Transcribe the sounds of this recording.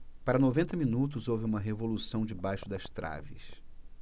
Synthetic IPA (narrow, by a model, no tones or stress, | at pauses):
paɾɐnovẽnt̪ɐmĩnut̪ʊzowvɪũmɐɦevolusɐ̃w̃d͡ʒɪbajʃʊd̪ɐst̪ɾa̰vɪ̰s